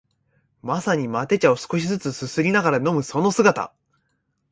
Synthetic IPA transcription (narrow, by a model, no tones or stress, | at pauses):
masaɲ̟imat̪e̞t͡ɕao̞sɨ̥ko̞ɕizɨt͡sɨsɨsɨɾʲinaɡaɾano̞mɯ̟so̞no̞sɨɡat̪a̰